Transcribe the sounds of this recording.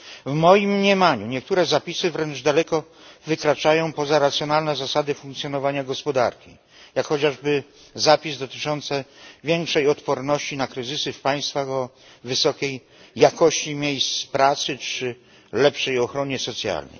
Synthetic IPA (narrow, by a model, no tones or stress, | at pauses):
vmɔjimɲɛmaɲuɲɛk̚t̪uɾɛzapʲisɘvɾɛnʐd̪alɛkɔ | vɘkɾat͡ʂajɔ̃w̃pɔzaɾat̪sjɔnalnɛzasad̪ɘfũŋkt̪sʲjɔnɔvaɲaɡɔspɔd̪a̰ɾkʲḭ | jakxɔt͡ɕaʐbɘ | zapʲizd̪ɔt̪ɘ̥t͡ʂɔnt̪sɛvʲjɛŋkʂɛjɔt̪pɔɾnɔɕt͡ɕinakɾɘzɘsɘfpaj̃st̪faxɔ | vɘsɔkʲejː | akɔɕt͡ɕimʲjejst̪spɾat̪sɘt͡ʂɘ | lɛpʂɛjɔxɾɔɲɛsɔt̪sʲja̰lnɛ̰j